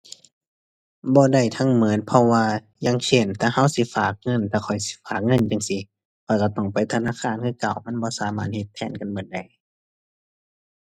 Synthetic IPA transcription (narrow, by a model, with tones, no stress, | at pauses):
bɔː˧˦da˧˩jt̪ʰa˧˨ŋmɯ˨˦ənpʰɔ˧waː˧ | jaː˧˨ŋsʰe˧˥˩nt̪ʰaː˧˩ha˧˥˨wsi˧˦faː˨˩k̚ŋɤ˧˥˨nt̪ʰaː˧kʰɔ˨˩jsi̥˧˦faː˨˩k̚ŋɤ˧˥˨nja˧˨ŋsi˧˦ | kʰɔ˧˩jka˧˩t̪ɔ˧˩ŋpa˨jt̪ʰa˧naː˧˥˨xʰaː˧˥˨nkʰɯː˧˥˨ka˨˩˨wma˧˥˨nbɔː˧˦saː˨˦maː˧˩he˧t̪ʰːɛː˧˩˨nka˨nmɯː˨˧˦nda˨˧˩j